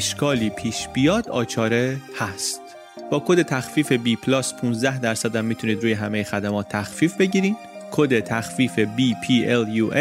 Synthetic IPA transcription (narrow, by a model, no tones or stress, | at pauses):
eʃkʰɒːliːpʰiːʃb̥ijɒːd̪ɒ̰ːt͡ʃʰɒːɾe̞hæst̪ | b̥ɒːkʰod̪e̞t̪ʰæxfiːfe̞biːpʰlɒːspʰunzd̪æhd̪æɾsæd̪æmːiːt̪ʰuniːd̪ɾuːje̞ɦæmejexæd̪æmɒːt̪ʰːæxfiːfbe̞ɟiːɾiːn | kʰod̪e̞t̪ʰæxfiːfe̞biːpʰiːeljuːʔe